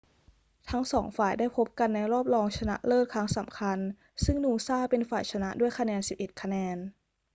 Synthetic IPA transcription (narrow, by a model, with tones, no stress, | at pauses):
t̪ʰa˦˥ŋsɔː˩˦ŋfaː˨˩jdaː˥˩jpʰo˦˥p̚ka˧nːa˧jɾɔː˥˩p̚lɔː˧ŋt͡ɕʰa˧na̰˦˥ʔlɤː˥˩t̪̚kʰɾa˦˥ŋsa˩˦mkʰa˧n | sɯ˥˩ŋnuː˧saː˥˩pe˧nfaː˨˩jt͡ɕʰa˧na˦˥ʔdu˥˩əjkʰa˧nɛː˧nsi˨˩p̚ʔe˨t̪̚kʰa˧nɛː˧n